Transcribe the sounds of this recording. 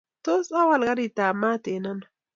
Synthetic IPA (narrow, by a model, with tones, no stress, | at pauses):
t̪o˦sa˦wa˨lɣa˦ɾi˨t̪aː˨ma˦t̪e˨na˦n